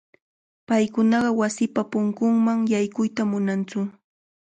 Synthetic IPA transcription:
pajkʊnɑɢɑwasɪpapʊŋkʊŋmaŋjajkʊjt̪amʊnant͡sʊ

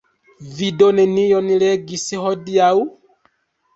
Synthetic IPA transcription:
vidɔnɛnijɔnilɛɡisihɔdiau

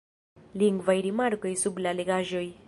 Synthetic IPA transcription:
liŋɡvajɾimaɾkojsublaleɡaʒoj

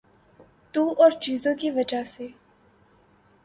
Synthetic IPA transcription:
t̪uːʔɔːɾt͡ʃiːzõkiʋɐd͡ʒaseː

